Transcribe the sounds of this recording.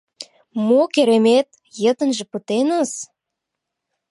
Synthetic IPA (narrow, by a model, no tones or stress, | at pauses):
mokeɾemet̪̚ | jə̆t̪ə̆nʒĕpət̪enə̆s